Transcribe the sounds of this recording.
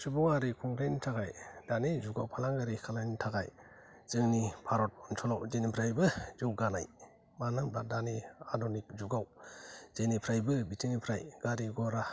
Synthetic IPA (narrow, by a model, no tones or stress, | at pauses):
subɔŋaɾikʰɔŋkʰɾenitʰaɡajd̥anezuɡawpʰalaŋɡaɾikʰalajnitʰaɡaj | z̥ɯŋnipʰaɾɔt̚ɔnsʰɔlawzenipʰɾajbɯzɯwɡana̰j | manɯŋbadaneadɔnik̚zuɡawz̥enipʰɾajbɯbitʰinipʰɾajɡ̥aɾiɡɔɾa